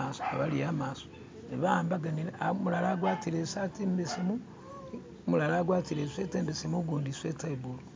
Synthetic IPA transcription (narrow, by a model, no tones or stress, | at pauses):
aso̥aβalijamaso̥ | niβaːmbaɡaniɾeamulalaɡwaːtiɾesatimbesimu | mulalaːɡwaːtiɾeseteːmbesimuɡuːndisetaibulu